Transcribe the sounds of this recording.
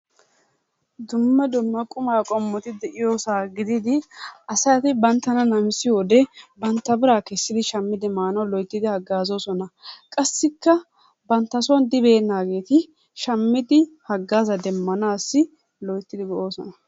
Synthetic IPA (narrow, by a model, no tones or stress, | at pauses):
d̪ʊmːɛd̪ʊmːɐkʼʊmaːkʼɔmːɔt̪ɪd̪ɛʔɪjoːsaːɡɪd̪ɪd̪ɪɐsɐjt̪ɪbɐnt̪ːɐnɐnɐmsɪjoːd̪ɛbɐnt̪ːɐbɪɾaːkɛsːɪd̪ɪʃɐmːɪd̪ɪmaːnɐwlɔjt̪ːɪd̪ɪhɐɡːaːzoːsɔnɐkʼɐsːɪkːɐ | bɐnt̪ːɐsɔnd̪ɪbe̞ːnːaːɡe̞ːt̪ɪ | ʃɐmːɪd̪ɪhɐɡːaːzɐd̪ɛmːɐnaːsːɪ | lɔjt̪ːɪd̪ɪɡɔʔo̞ːsɔnɐ